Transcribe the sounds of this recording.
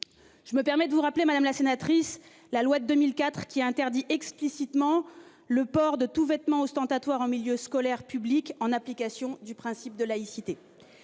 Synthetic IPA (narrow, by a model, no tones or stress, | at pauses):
ʒ̥əməpɛʁmɛd̪əvuʁaplemad̪amlasenat̪χis | lalwad̪əd̪əmilkat̪χkʲiaɛ̃t̪ɛʁd̪iʔɛksplisit̪mɑ̃ | ləpɔʁd̪ət̪uvɛt̪mɑ̃ɔst̪ɑ̃t̪at̪waʁɑ̃miljøskɔlɛʁpyblikɑ̃naplikasjɔ̃d̪ypχɛ̃sip̚d̪əlaisit̪e